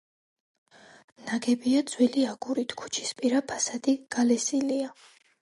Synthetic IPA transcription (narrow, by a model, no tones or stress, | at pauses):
naɡɛbiad̪zwiliaɡ̥uɾit̪ʰkʰu̥t͡ʃʰi̥spʼiɾapʰasad̪iɡ̥alɛsilia